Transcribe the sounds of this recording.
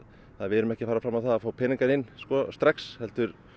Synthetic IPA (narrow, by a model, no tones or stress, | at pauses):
θaðvɪɾʏmɛhcɪfaːɾafɾamːavθaðafaːwpʰɪːniŋkanɪnːskɔst̪ɾakshɛlt̪ʏɾ̥